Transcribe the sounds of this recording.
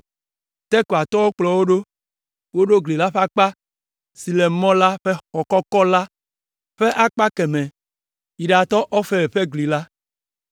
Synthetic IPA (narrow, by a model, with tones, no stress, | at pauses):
t̪ɛ˦ko˨a˨t̪ɔ˦wo˦k͡plɔ˨wo˦ɖo˦ | wo˦ɖo˦ɡli˨la˦ɸe˦a˦˨k͡pa˦ | si˨le˨mɔ̃˦la˦ɸe˦xɔ˨kɔ˦kɔ˦la˦ | ɸe˦ʔa˦˨k͡pa˦kɛ˨mẽ˨ | i˨ɖa˨t̪ɔ˦ʔɔ˦fe˦e˨ɸe˦ɡli˨la˦